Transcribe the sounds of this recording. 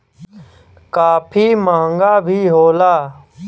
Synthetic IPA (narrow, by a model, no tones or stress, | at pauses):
kaːpʰiːmãːŋɡaːbʱiːɦoːlaː